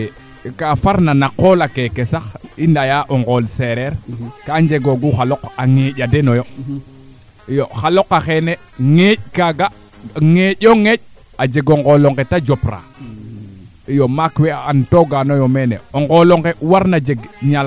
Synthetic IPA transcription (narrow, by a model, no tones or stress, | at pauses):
kafaɾnanaqoːlakekesaxindajaʔoŋɡolseɾɛɾkaɲd͡ʒeɡoɡuxalokaŋeɟadenojo | ijoxalokaxene | ŋeckaɡa | ŋeʄoŋeɟ̚ | ad͡ʒeɡoŋɡoloŋɡetad͡ʒopɾa̰ | ijomakweantoɡanojomenḛoŋɡoloŋɡewaɾnad͡ʒeɡɲal